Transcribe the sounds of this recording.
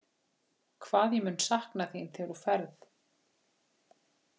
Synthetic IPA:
kʰvaːðjɛmʏːnsahknaθint̪ʰɛɾufɛɾθ

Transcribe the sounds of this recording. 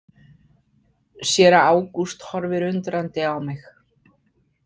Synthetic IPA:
sjɛːɾaaːwkust̪hɔɾvɪɾʏnt̪ɾant̪ɪawmɪx

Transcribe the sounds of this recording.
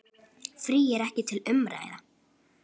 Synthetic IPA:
fɾiːɛɾɛhcɪt̪ʰɪlʏmɾa̰ːjða

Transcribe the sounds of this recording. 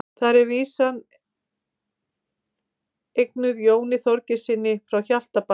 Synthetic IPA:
θaɾɛɾviːsan | ejknʏðjoːwnɪθɔɾcɪsɪnːɪfɾawçal̥t̪apa

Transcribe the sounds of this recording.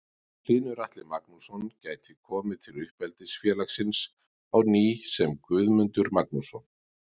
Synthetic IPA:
kʰl̥iːnʏɾaht̪lɪmaknusɔncaːjt̪ʰɪkʰɔːmɪðt̪ʰɪlʏhpɛlt̪ɪsfjɛːlaxsɪns | awniːsɛmkvʏðmʏnt̪ʏɾmaknusɔn

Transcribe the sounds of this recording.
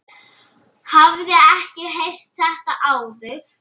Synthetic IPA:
havðɪɛhcɪɦejr̥t̪ːɛhkaʔaːwðʏf

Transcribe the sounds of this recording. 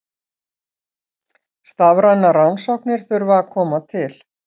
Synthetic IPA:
st̪avɾajnːarawnsɔwknɪɾ̥θʏɥɾvaakʰɔːmat̪ʰɪl

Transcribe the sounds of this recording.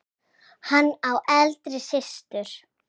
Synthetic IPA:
hanːawʔɛlt̪ɾɪsɪst̪ʏɾ̥

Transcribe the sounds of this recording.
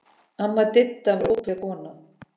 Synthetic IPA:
amːat̪ɪt̪ːavɾʔokakɔːna

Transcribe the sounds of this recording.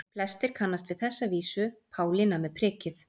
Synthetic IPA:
pʰlɛst̪ɪɾ̥kʰanːast̪vɪðθɛsːaviːsʏpʰaːwlɪnamɛðpʰɾɪːcɪθ

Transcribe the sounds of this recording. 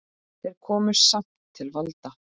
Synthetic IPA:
θɛɾ̥kʰɔːmʏɾ̥sam̥t̪ʰːɪlvalt̪a

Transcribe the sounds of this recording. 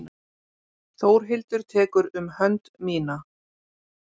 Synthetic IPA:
n | θoːwɾ̥ɦɪlt̪ʏɾ̥t̪ʰɛːkʏɾʏmhœnt̪miːna

